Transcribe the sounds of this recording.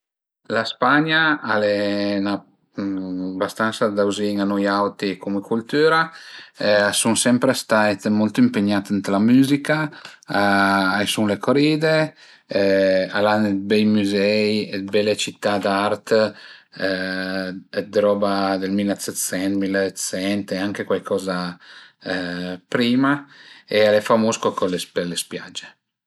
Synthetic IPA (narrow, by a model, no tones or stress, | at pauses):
laspaɲaalena | bast̪ansad̪awziŋanɔjawt̪ikʰumekult̪yːɾa | asuŋsɛmpɾest̪ajt̪mɔlt̪oimpeɲat̪ənt̪lamyːzikaaajsuŋlekoɾid̪e | alanebɛjmyzɛjebɛlet͡ʃit̪ːad̪art̪ | d̪ɾɔːbad̪elmilːat̪set̪sɛnmilːat̪sɛnt̪eaŋkekwajkʰɔːza | pɾiːmaealefamuskokolespelespja̰d͡ʒːe